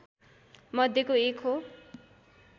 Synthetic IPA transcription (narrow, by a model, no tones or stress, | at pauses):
mʌd̪ʱjekoekʰɦo